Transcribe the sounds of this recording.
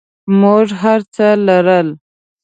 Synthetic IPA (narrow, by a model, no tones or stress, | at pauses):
moʐɦaɾt͡səlaɾəl